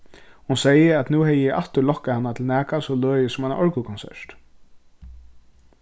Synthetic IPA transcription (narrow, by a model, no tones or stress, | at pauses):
hunsɛjɪæt̪nuːhɛjɪjɪʔaht̪ʏlɔhkːahanːat̪ʰɪlnæːkasɔløːjɪsʊmana̰ʔɔɹkukʰɔnsɛ̰ɹ̥t̪